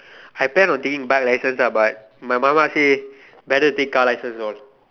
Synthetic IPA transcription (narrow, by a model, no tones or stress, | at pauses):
ajplɛ̃nɔ̃ntekĩŋbɛk̚lajsə̃nsabat̚ | majmamase | bɛtətekːalajsə̃nsɔl